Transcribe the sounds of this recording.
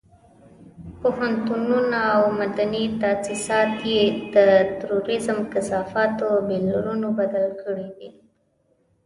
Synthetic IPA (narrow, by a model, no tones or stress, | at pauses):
pohant̪ununaawmad̪anit̪asisɑt̪jed̪ət̪aɾoɾɪzəmkɪsɑfɑt̪obellaɾunobad̪alkəɽid̪i